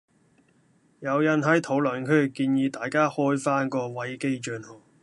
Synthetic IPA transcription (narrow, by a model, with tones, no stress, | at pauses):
jɐ˨˧wjɐ˨nɦɐ˨˥jt̪ʰo˨˧˥wlœ˨˩nkʰɵ˨˥kiː˧njiː˨˧t̪aː˨jkaː˥hɔː˥jfaː˥nkɔː˧wɐ˨˥jke˥jt͡ʃœː˧nhɔː˨˩